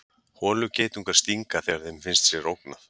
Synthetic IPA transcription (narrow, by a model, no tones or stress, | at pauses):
hɔːlʏceːjt̪uŋkaɾ̥st̪iŋkaθɛɣaɾθejmfɪnst̪sjɛɾowkna